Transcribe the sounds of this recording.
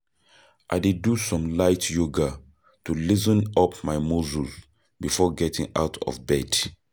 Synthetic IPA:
ʔaɪdidusɔ̃mlaɪtʰjuɡa | tulizɔ̃nɔpmaɪmozul | bifɔɡɛtʰḭ̃ŋa̰ʊtʰɔ̰vbɛd̥

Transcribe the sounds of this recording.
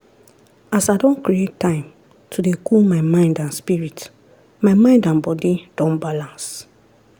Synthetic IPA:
asaɪdɔ̃nkɹietːãɪ̃m | tʰudekʰulmaɪmãɪ̃ndãnspiɹit | maɪmãɪ̃ndãnbɔdid̥ɔ̃nbalãns

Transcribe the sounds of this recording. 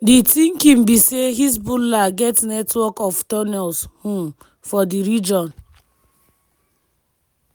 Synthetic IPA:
ditĩŋkĩmbiseɦis̬bulaɡɛtnɛtwɔkɔftɔnɛlshũm | fɔdiɾid͡ʒɔ̃n

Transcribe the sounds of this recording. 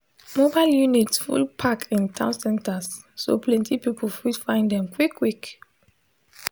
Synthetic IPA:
mobaɪljunitfṵlpʰakʰĩntʰãʊ̃nsɛ̃ntasː | o̰plɛ̃ntʰipipʰɔl̩fidfãɪ̃ndɛ̃mkwikʰːwik

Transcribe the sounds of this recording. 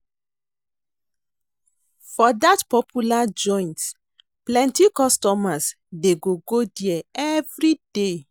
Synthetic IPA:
fɔdatpɔpʰjulad͡ʒɔ̃ɪ̃nt | plɛ̃ntikɔstɔmas | deɡoɡodiɛɛvɹide

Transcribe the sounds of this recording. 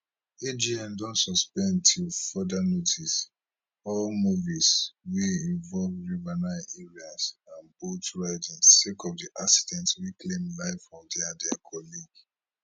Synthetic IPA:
ed͡ʒiãndɔ̃ntsɔspɛ̃ntʰilfɔdanotis | ɔlmuviswiĩvɔlvɹuvanaɪʔɛɹiasãnbotɹaɪdĩnsekɔvdiʔasi̥dɛ̃ntwiklẽmlaɪfɹɔ̃mdɛadɛakʰɔliɡ

